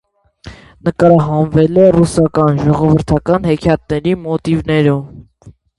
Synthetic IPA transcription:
nəkɑɾɑɦɑnvɛlɛrusɑkɑnʒɔʁɔvəɾt̪ʰɑkɑnhɛkʰjɑt̪̚nɛɾimɔt̪ivnɛɾɔv

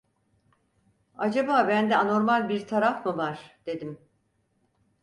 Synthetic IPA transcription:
ad͡ʒabaːbænd̪ɛano̞ɾmalʲbiɾt̪ʰaɾafmɯvaɾ̥d̪̥e̞d̪im

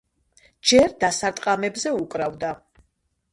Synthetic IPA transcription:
d͡ʒɛɾd̪asaɾt̪ʼqʼamɛbzɛukʼɾavd̪a

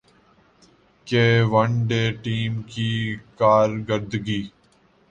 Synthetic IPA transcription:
keːʋəɳɖeːʈiːmkiːkaːɾɡəɾd̪ɡiː

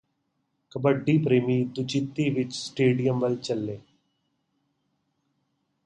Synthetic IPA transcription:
kɐbəɖːiːpɾeːmiːd̪ʊt͡ʃɪt̪ːiːʋɪt͡ʃsʈeːɖijəmʋɐlt͡ʃɐlːeː

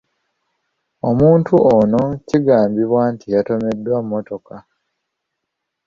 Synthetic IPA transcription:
o̞muːntʰuʔono̞ciɡaːmbiβwaːntijato̞me̞dːwamːo̞to̞ka

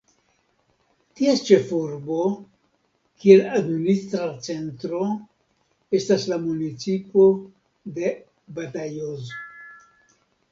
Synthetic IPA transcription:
tiest͡ʃe̞fuɾbo̞ | kie̞ladministɾat͡se̞ntɾo̞ | e̞staslamunit͡sipo̞ | de̞ | batajozo

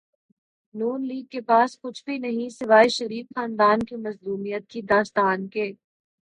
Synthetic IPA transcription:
nuːnliːɡ̚kepaːskʊt͡ʃʰbʱinɐɦĩsɪʋaːiʃɐɾiːfxaːnd̪aːnkimɐzluːmijət̪̚kid̪aːst̪aːnkeː

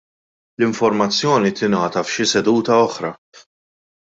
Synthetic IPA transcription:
lɪɱfɔɾmɐt͡sːjɔːnit̪ɪnɐːt̪ɐfʃɪsɛd̪uːt̪ɐɔħɾɐ

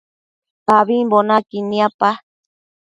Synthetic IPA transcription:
paβibonakinĩapa

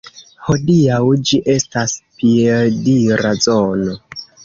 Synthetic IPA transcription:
ho̞diawd͡ʒiʔe̞staspieldiɾazono

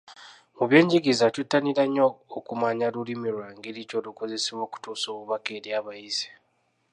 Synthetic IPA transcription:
muβjeːɲɟiɡizatutːaniɾaɲoːkumaɲalulimiɾwaːŋɡiɾico̞luko̞ze̞seβo̞ːku̥tuːsoːβuβake̞ːɾjaβaizi̥

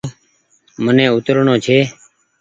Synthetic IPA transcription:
mənẽːʊt̪ɾɳõːt͡ʃʰeː

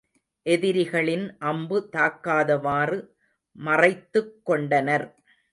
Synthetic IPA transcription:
ʔɛðɪɾɪɣɐɭɪnʔɐmbɯt̪aːkːaːðɐʋaːrɯ | mɐrɐɪt̪ːɯkːɔɳɖɐnɐɾ

